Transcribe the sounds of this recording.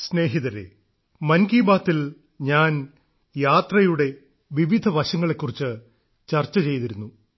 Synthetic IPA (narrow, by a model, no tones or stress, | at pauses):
sne̞ːɦiðɐɾḛ | mɐnkiːbaːt̪ːil | ɲaːn | jaːt̪rɐjuɽe̞ | ʋiʋid̪ʱɐʋɐɕɐŋːɐɭe̞kːurit͡ɕːɨ | t͡ɕɐrt͡ɕːɐt͡ɕe̞jt̪iɾunːu